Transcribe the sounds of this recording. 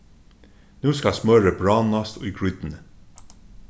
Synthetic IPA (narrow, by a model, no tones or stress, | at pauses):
nʉːskɑsmœɾəbɹɑːnɑst̪iːɡɹʏd̪n̩